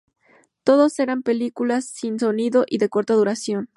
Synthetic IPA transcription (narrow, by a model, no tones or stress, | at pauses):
t̪o̞ðo̞se̞ɾampe̞likulasːinso̞niðo̞ʔiðe̞ko̞ɾt̪aðuɾasjo̞n